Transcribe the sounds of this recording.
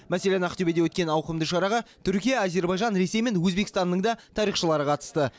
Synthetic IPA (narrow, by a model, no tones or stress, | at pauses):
mæselʲenæqt̪ebed̪ewɵt̪kʲe̞nɑwqəmd̪əʃɑɾɑʁɑt̪ʰʏɾkʲijɑːze̞ɾbɑjʒɑnɾe̞se̞jme̞nwɵzbe̞kʲst̪ɑnːəɴd̪ɑt̪ʰɑɾijχʃəlˠɑɾəqʰɑt̪ə̥st̪ə